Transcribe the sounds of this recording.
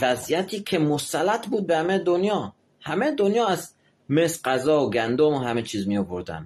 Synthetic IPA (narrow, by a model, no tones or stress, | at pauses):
væzijæt̪ʰiːkʰe̞mosælæt̪ʰbuːd̪̚behæmed̪onjɒː | hæmed̪onjɒːæz | mesɢæzɒːoɡænd̪omoɦæmet͡ʃʰiːzmiovoɾd̪æ̰nd̪